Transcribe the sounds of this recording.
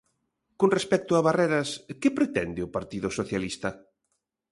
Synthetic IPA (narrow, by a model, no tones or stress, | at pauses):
konrespɛk̚t̪ʊaβarɛɾɐskɪpɾet̪ɛnd̪ɪʊpaɾt̪iðʊsoθjalist̪ɐ